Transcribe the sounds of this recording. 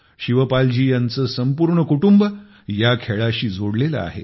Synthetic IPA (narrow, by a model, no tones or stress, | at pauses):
ɕiʋəpald͡ʑiːjant͡səsəmpuɾɳəkuʈumb | jakʰeɭaɕiːd͡zʱoɽlelə̰a̰ɦḛ